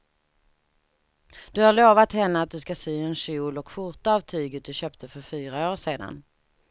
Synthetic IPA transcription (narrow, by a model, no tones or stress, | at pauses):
d̪̥ɵhaɭoːvat̪hɛnːəat̪̚d̪ɵskasyːɛnɕuːlɔkfʊʈ̪aavt̪ʰyːɡət̪̚d̪ɵɕøːpt̪ʰəfœɾfyːɾaoːʂeːd̪a̰n